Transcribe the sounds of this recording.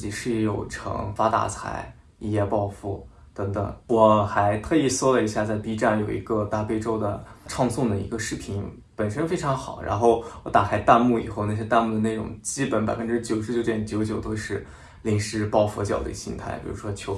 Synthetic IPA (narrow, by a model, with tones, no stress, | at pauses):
t͡ɕi˨˩ʂɻ̩˥˩˧jo˨˩ʊʈ͡ʂʰɤ̰˧˥ŋfa˥t̪a̰˥˩t͡sʰa̰˧˥ɪ | i˥˩jɛ˥˧pɑ˥˧ʊfu˥˩ | t̪ɤ˧˥ŋt̪ɤ̰˨˩ŋwɔ˨˩xa˧˥ɪt̪ʰɤ˥˧i˥˩swɔ˥lə˨i˧˥ɕja˥˧t͡sa˥˩ɪp̪i˥ʈ͡ʂa˥˩njo˨˩ʊḭ˧˥ɡə˧t̪a˥˧˩pe˥ɪʈ͡ʂo˥ʊd̪ə˨ʈ͡ʂʰɑ˥˧ŋsʊ˥˩ŋd̪ə˩ḭ˧˥ɡə˧ʂɻ̩˥˩pʰi˧˥n | pə˨˩nʂə˥nfe˥ɪʈ͡ʂʰɑ˧˥ŋxɑ˨˩˦ʊɻa̰˧˥nxo˥˩ʊwɔ˧˥t̪a˨˩kʰa˥ɪt̪a˥˧nmu˥˩ḭ˨˩xo˥˧ʊna˥˩ɕ̬ɛ˥t̪a˥˧nmu˥˩d̪ə˩ne˥˩ɪʈ͡ʂʊ̰˨˩ŋt͡ɕi˥pə˧˥npa˨˩ɪfə˧˥nʈ͡ʂɻ̩˥t͡ɕjo˨˩ʊʂɻ̩˥t͡ɕjo˥ʊt͡ɕɛ˥˩n˥t͡ɕjo˧˥ʊt͡ɕjo˨˩ʊt̪o˥ʊʂɻ̩˥˧ | li˧˩ŋʂɻ̩˥˩pɑ˥˩ʊfwɔ̰˧˥t͡ɕjɑ˨˩ʊd̪ə̰˧˥˩ɕḭ˧˥ŋt̪ʰa˥˩ɪpʲḭ˨˩ɻu˧˥ʂwɔ˥t͡ɕʰjo˧˥